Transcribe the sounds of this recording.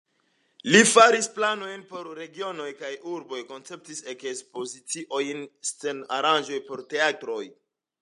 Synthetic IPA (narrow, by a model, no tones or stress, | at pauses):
lifaɾisplano̞jnpo̞ɾɾe̞ɡio̞no̞jkajuɾbo̞jko̞nt͡se̞p̚tise̞kespo̞zit͡siʔo̞jnse̞na̰ɾand͡ʒo̞jpo̞ɾte̞atɾo̞j